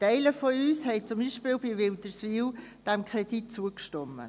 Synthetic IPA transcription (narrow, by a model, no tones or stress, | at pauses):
tɛɪləfoyːshɛɪt͡sʊmbiːʃpiːlbiʋɪltəsviːld̥ɛmkʰʁedit̚t͡suəkʃtɔmːə̰